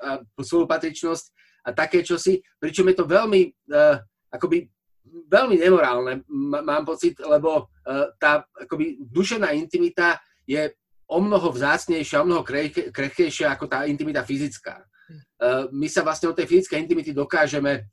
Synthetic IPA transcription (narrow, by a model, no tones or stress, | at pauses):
aspɔlupat̪ɾit͡ʃnɔsc | at̪akɛːt͡ʃɔsipɾit͡ʃɔmjɛt̪ɔʋɛlmi | ʔakɔbi | ʋɛʎmiɲɛmɔɾaːlnɛːaːmpɔt͡sit̪lɛbɔ | t̪aːakɔbid̪uʃɛʊnaːint̪imit̪a | jɛ | ɔmnɔɦɔvzaːt͡sɲɛjʃɪaɔmnɔɦɔɾɛkɾɛxkɛjʃɪaakɔt̪aːint̪imit̪afizit͡ska̰ː | misaʋlasɲɛdɔt̪ɛjfizit͡skɛjint̪imit̪id̪ɔkaːʒɛmɛ